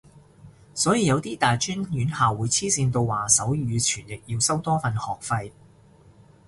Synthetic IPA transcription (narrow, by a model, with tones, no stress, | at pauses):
sɔː˨˥jiː˨˧jɐ˨˧wt̪iː˥t̪aː˨jt͡ʃyː˥njyː˨˥nhaː˨wuː˨˧jt͡sʰiː˥siː˧nt̪o˧wwaː˨˩sɐ˨˥wjyː˨˧t͡ʃʰyː˨˩njɪ˨k̚jiː˧wsɐ˥wt̪ɔː˥fɐ˧nhɔː˨k̚fɐ˧j